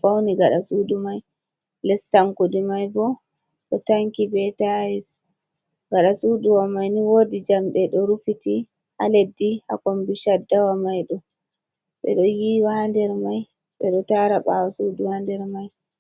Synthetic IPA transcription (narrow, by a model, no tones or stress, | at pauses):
fawniɡaɗasudumaj | lɛstaŋkudimajbɔ | ɗɔtaŋkibɛtajɛs | ɡaɗasuduwamajniwodid͡ʒamɗɛɗɔɾufiti | ʔa̰ledːiha̰kombiʃadːawamajɗɔ | ɓɛ̰ɗɔjiwandɛɾmaj | ɓɛɗɔtaɾaɓa̰wasuduwandɛɾmaj